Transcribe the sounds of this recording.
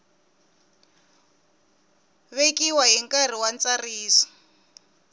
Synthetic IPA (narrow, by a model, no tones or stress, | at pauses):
βekʼiwaɦiŋkar̤iwant͡sariːsɔ̥